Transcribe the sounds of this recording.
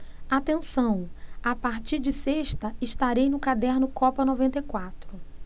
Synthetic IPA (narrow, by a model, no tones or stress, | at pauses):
at̪ẽsɐ̃w̃apaɾt͡ʃiɾd͡ʒɪseʃt̪ɐɪʃt̪aɾejnʊkad̪ɛɾnʊkɔpɐnɔvẽnt̪ejkwat̪ɾʊ